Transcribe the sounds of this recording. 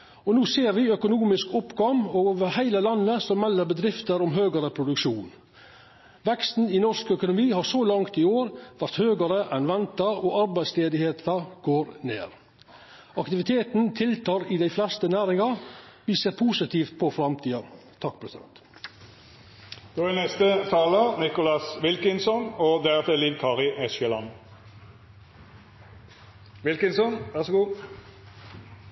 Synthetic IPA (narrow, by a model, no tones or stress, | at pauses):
ɔnuːseːɾʋɪœkʊnuːmɪskʊpɡɔmoːʋəɾhæɪləlɑnːəsɔmːɛlːəɾbəd̪ɾɪft̪əɾʊmɦøːɡəɾəpʰɾʊd̪ʉkʃuːn | ʋɛkst̪n̩ɪnɔʂkœkʊnʊmiːhɑːɾsɔlɑŋt̪ɪoːɾʋæɾt̪høːɡəɾəʔɛnʋɛnt̪əɾɔʔɑɾbæɪsleːd̪ɪheːt̪ʰəɡ̥oːɾnḛːɾ | ɑkt̪ɪʋɪt̪ʰeːt̪n̩t̪ʰɪlt̪ʰɑːɾɪd̪æɪflɛst̪ənæːɾɪŋɑɾʋiːseːɾpʰuːsɪt̪ʰiːft̪̚pʰɔfɾɑmt̪ʰiːɑ | t̪ʰɑk̚ːpʰɾɛsɪd̪ɛ̰nt̪ | d̪̥oːænɛst̪ət̪ʰɑːlənɪkʊlɑsʋɪlkənsɔnɔd̪æʁt̪ɛliːʋkʰɑːʁɪʔɛsɛlɑn | ʋɪlkənsɔnʋæʁsɔɡuː